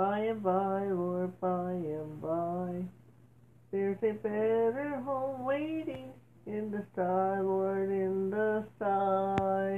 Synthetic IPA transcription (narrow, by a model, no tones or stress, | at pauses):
aɪɨ̃baɪwɔɹbaɪɨ̃baɪ | ðəɹzɨbɛɾə˞ɦõʊ̃mweɪɾɪ̃ŋ | ɪ̃nðɨstaɪwɔɹɾɪ̃nðəstaɪ